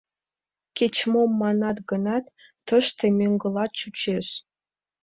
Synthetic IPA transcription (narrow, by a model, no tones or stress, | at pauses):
kʲet͡ɕmomːɑnɑt̪ɡənɑt̪ː | əʃt̪emʲøŋɡəlɑt̪̚t͡ɕut͡ɕeʃ